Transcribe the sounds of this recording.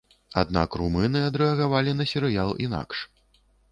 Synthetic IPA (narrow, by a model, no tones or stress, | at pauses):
a̰d̪̚na̰krumɨnɨad̪ɾɛɐɣavalʲinɐsʲɛɾɨjalˠḭn̪a̰kʂ